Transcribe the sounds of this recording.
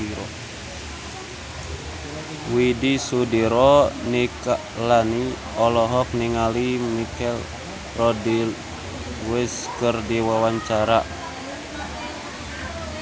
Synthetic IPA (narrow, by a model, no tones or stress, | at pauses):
ɾɔ | widisudiɾɔnikaʔlani | ɔlɔɦɔk̚niŋalimikɛl | rɔdil | wɪs | kərdiwawaɲt͡ʃaɾa